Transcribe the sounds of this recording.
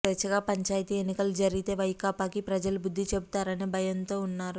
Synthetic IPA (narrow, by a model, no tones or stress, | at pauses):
et͡ʃːɐɡaːpɐɲt͡ʃaːjt̪iːenːikɐlud͡ʒɐɾiɡit̪e̞ːʋɐjkaːpaːkipɾɐd͡ʒɐlubud̪ʱːit͡ʃebut̪aːɾɐneːbʱɐjɐnt̪o̞ːunːaːɾu